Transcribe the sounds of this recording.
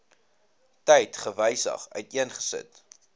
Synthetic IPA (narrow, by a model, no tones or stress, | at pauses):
tɛjtχəvəjsə̰χœ̰ɥtiənχə̥sə̰t